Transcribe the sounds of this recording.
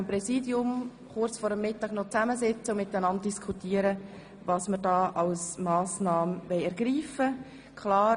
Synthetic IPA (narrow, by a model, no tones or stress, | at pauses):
mpɾɛsiːdjʊm | χʊrt͡sfɔɾəmːɪtːɑːɡ̥nɔt͡sæməzɪt͡səʊmɪt̪ənɑnd̚d̥iskʰχutiːəɾə | vɑsməɾdɑːʔɑlsmɑːsnɑːmʋɛɪɛɾɡ̥ɾiːfə | kʰχlɑː